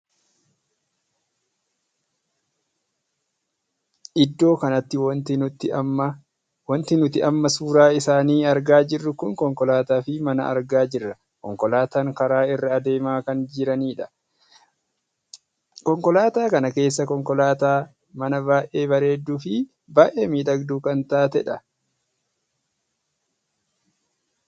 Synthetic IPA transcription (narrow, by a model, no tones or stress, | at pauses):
ʔɪd̪ːo̞ːkɐnɐt̪ːɪwt̪ɪʊt̪ː | wɐnt̪ɪnʊt̪ɪʔɐmːɐsuːɾaːɪsaːniːɐɾɡaːd͡ʒɪrːʊkʊŋkɔŋkɔlaːt̪aːfɪmɐnɐʔɐ̰ɾɡaːd͡ʒɪrːɐ | kɔ̰ŋkɔlaːt̪aŋkɐɾaːɪrːɪɐd̪e̞ːmaːkɐnd͡ʒɪɾɐniːᶑɐ̥ | kɔŋkɔlaːt̪aːkɐnɐke̞ːs̬ːɐkɔŋkɔlaːt̪aː | mɐnɐbaːʔe̞ːbɐɾe̞ːd̪ːuːfɪ | baːʔeːmiːᶑ̪ɐɡd̪uːkɐnt̪aːt̪ɛᶑɐ